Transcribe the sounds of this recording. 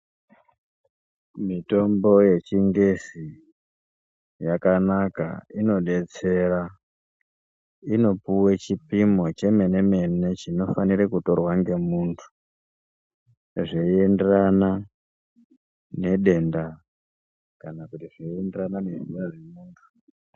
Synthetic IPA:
mito̞mbo̞je̞t͡ʃiŋɡesi | jakanaka̰ino̞ɗe̞t͡se̞ra | ino̞puwet͡ʃipimo̞t͡ʃe̞me̞ne̞me̞ne̞t͡ʃino̞faniɾekuto̞rwaŋɡe̞muːntʰu̥ | ʐeienderana | ne̞ɗe̞nda | kanakutiʐeienderananerujaʐe̞muːntʰu̥

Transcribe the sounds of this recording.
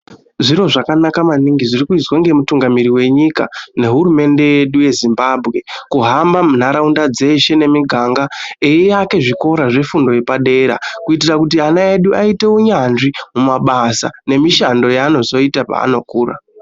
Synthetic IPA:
ʐiɾo̞ʐakanakamaniŋɡiʐirikuizwaŋɡe̞mutuŋɡamiɾiwe̞ɲika̰ne̞ɦuɾume̞nde̞je̞ɗuje̞zimbaːbʱɣe̞kuɦambamun̤aɾaundad͡ze̞ʃe̞ne̞miɡʱaŋɡaejejake̞ʐiko̞ɾaʐe̞fundo̞je̞paɗe̞ɾa̰kuitirakut̬ianaeɗuaite̞uɲanʐimumaɓasa̰ne̞miʃando̞jaːno̞zo̞itapa̰ːno̞kuːra̰

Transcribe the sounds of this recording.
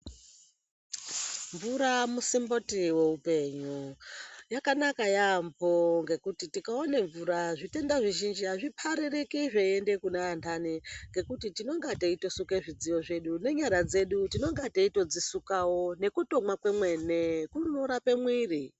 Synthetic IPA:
ɱvuɾamusimbo̞tiwe̞upe̞ːɲujakanakajamvoŋɡe̞kutitikaoneɱvuɾaʐite̞ndaʐiʒind͡ʒiɦaʐipʰaɾerekiʐeende̞kunaːntʰaniŋɡe̞kutitino̞ŋɡateito̞sukeʐid͡ziʋo̞ʐe̞ɗune̞ɲaɾad͡ze̞ɗutino̞ŋɡateito̞d͡zisukawo̞ne̞kuto̞mwakwemwenekunoɾape̞mwiːri

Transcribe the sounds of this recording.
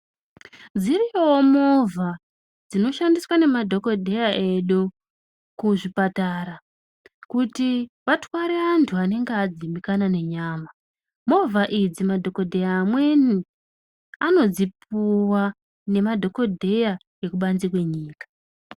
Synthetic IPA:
d͡zirijowomo̞vʱa | d͡zino̞ʃandiswane̞madʱo̞ko̞dʱe̞jaʔe̞ɗu | kuʐipataɾa | kutiʋatwaɾe̞antʰuane̞ŋɡead͡zimikanane̞ɲaːma | mo̞vʱaʔid͡zimadʱo̞ko̞dʱe̞jaːmwe̞ni | ano̞d͡zipuwa | ne̞madʱo̞ko̞dʱe̞ja | je̞kuɓanzikwe̞ɲiːkḁ

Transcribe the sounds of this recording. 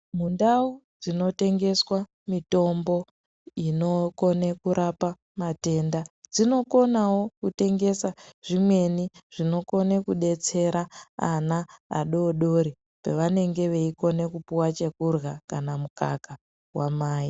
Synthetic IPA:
mundaud͡zino̞te̞ŋɡe̞swa | mito̞mbo̞ | ino̞ko̞nekuɾʔapa | mate̞ndad͡zino̞ko̞nawo̞kute̞ŋɡe̞saʐimwe̞niʐ̥ino̞ko̞nekuɗe̞t͡se̞ɾaana̰ːɗo̞ɗo̞ɾi | peʋane̞ŋɡe̞ʋe̞iko̞ne̞kupuwat͡ʃe̞kurɣakanamukaka | wamaːji

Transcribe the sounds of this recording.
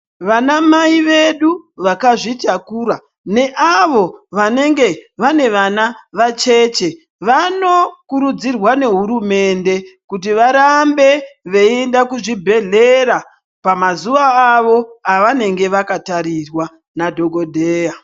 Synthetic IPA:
ʋanamaiʋe̞ɗuʋakaʐitakuːɾa | ne̞ʔaʋo̞ʋane̞ŋɡe̞ʋane̞ʋanaʋat͡ʃe̞ːt͡ʃe̞ | ʋano̞kuɾud͡zirwane̞ɦuɾume̞nde̞kut̬iʋaɾambe̞ʋe̞endakuʐibʱe̞ɮe̞ɾa | pamazuʋaːʋo̞aʋane̞ŋɡe̞ʋakataɾirwa | nadʱo̞ɡo̞dʱeːja

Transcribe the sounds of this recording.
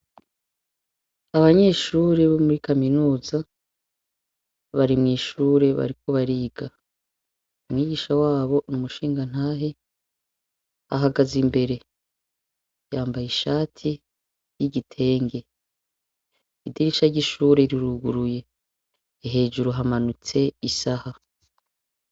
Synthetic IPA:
aβaɲe̞ːʃuːɾeβomuɾikaminuːza | βaɾimŋiːʃuːɾe̞βa̰ɾiko̞βaɾiːɡa | umŋiːɡiːʃawaːβo̞numuʃiːŋɡan̥haːɦe | a̰ɦaɡazimbe̞ɾe̞ | jaːmbajiʃaːtʰi | jiɟitʰe̞ːŋɡe̞ | idiɾiʃaɾɟiʃuːɾe̞ɾiɾuɡuɾuje̞ː | ɦe̞ːd͡ʒuɾuɦamanut͡se̞isaha

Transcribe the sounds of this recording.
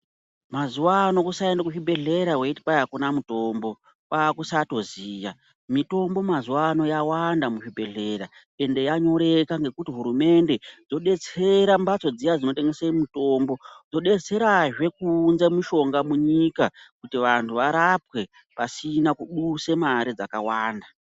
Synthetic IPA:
mazuwano̞kusaendakuʐibʱe̞ɮe̞ɾaweiti̥pajakunamuto̞ːmbo̞ | kwakusato̞ziːja̰ | mito̞mbo̞mazuwano̞jawandamuʐibʱe̞ɮe̞ra | e̞nde̞jaɲo̞ɾe̞kaŋɡe̞kutiɦuɾume̞nde̞d͡zo̞ɗe̞t͡se̞ɾambat͡so̞d͡zijad͡zino̞te̞ŋɡesemito̞ːmbo̞d͡zo̞ɗe̞t͡se̞ɾaʐe̞kunzemuʃo̞ŋɡamuɲikakutiʋantʰuʋaɾapwe̞ | pasinakuɗuse̞maɾid͡zakawaːnda

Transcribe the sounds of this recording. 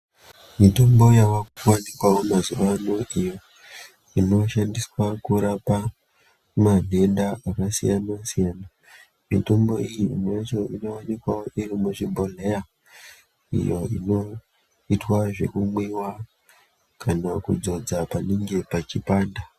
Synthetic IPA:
mito̞mbo̞jaʋakwanikwawomazuʋano̞ʔijo̞ | ino̞ʃandiswakuɾapa | mane̞ndaakasḭjanasijaːna | mito̞mbo̞ijiḭnt͡ʃo̞ʔino̞wanikwaoʔiɾimuʐibʱoleja | ḭjo̞ḭno̞ | itwaʐe̞̰kumwiwa | kanakṵd͡zo̞d͡zapaniŋɡe̞pat͡ʃipaːnda

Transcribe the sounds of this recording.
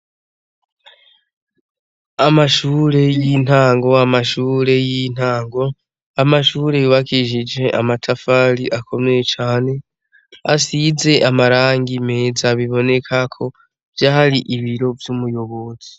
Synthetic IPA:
amaʃuːɾe̞jin̥haːŋɡo̞amaʃuːɾe̞jin̥aːŋɡo̞ | amaʃuːɾe̞juβakʰiʒid͡ʒe̞ʔa̰matʰafaɾiʔakʰo̞mejet͡ʃaːne̞ | asize̞ʔamaɾaːŋɡime̞ːzaβiβo̞ne̞kʰakʰo̞ | vjaːhaɾiʔiβiɾo̞vjumujo̞βo̞z̥i

